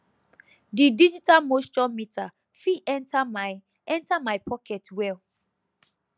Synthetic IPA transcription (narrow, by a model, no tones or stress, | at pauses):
didid͡ʒitalmostɔmitʰa | fiɛ̃ntʰam | ɛ̃ntamaɪpʰɔkʰɛtwɛl